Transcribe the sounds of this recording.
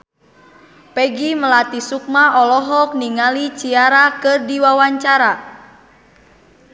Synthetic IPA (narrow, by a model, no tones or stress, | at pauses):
pɛɡiməlat̪isuk̚maɔlɔɦɔk̚niŋalit͡ʃiaɾakɨrdiwawaɲt͡ʃaɾa